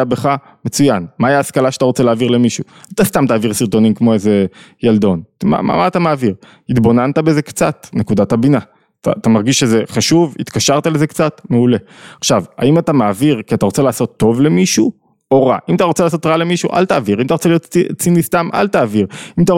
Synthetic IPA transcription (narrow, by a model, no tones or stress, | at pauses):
abeχa | met͡sujanmajaːskalaʃeat̪aʁo̞t͡selaːviʁle̞miʃu | at̪ast̪amt̪aːviʁsiʁt̪o̞nimkmo̞eze̞jald̪o̞nma̰ma̰maːt̪amaːviʁ | hit̪bo̞nant̪abe̞ze̞kt͡sat̪ne̞kud̪athabina | ta̰t̪amaʁɡiʃeze̞χaʃuvit̪kaʃaʁt̪aleze̞kt͡sat̪meule̞aχʃava̰imat̪amaːviʁkiat̪aʁot͡se̞laːso̞t̪ːo̞vle̞miʃu | oʁa̰ʔimataʁo̞t͡selaːso̞tʁale̞miʃṵʔa̰lt̪aːviʁimat̪aʁot͡selijo̞t̪t͡sinist̪amʔa̰lt̪aːviʁimat̪a